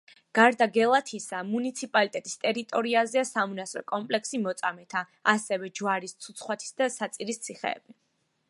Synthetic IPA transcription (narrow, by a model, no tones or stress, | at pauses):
ɡ̥aɾd̪aɡɛlˠat̪ʰisamunit̪sʰipʼalit̪ʼɛt̪ʼist̪ʼɛɾit̪ʼɔɾiazɛasamunasɾɔ̰kʼɔmpʼlɛksimɔt̪sʼamɛt̪ʰa | asɛvɛd͡ʒwaɾist̪sʰut̪sʰχwat̪ʰi̥sd̪asat̪sʼiɾist̪sʰiχɛ̰ːb̥i